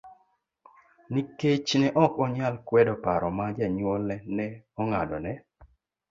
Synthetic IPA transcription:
niket͡ʃnɛʔɔkɔɲalkwɛdɔpaɾɔmad͡ʒɛɲwɔlnɛnɛɔŋadɔnɛ

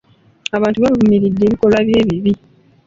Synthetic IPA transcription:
aβaːntuβaβvumiɾidːeːβiko̞lwaβje̞ːβiβi

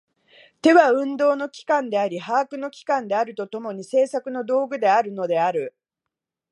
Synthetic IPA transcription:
t̪e̞βaɯ̟̃nd̪o̞ːno̞kʲi̥kãnd̪e̞aɾʲihaːkɯ̟no̞kʲi̥kãnd̪e̞aɾɯ̟t̪o̞t̪o̞mo̞ɲ̟ise̞ːsakɯ̟no̞d̪o̞ːɡɯ̟d̪e̞aɾɯ̟no̞d̪e̞aɾɯ̟

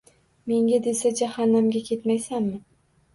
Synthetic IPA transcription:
me̞ŋɡʲad̪e̞sad͡ʒahanːamɡʲakʲʰe̞t̪majsanmɪ

